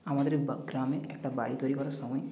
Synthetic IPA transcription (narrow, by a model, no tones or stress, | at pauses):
amad̪əɾbəɡɾamẽek̚ʈabaɽit̪oɾikɔɾɔsɔmɔj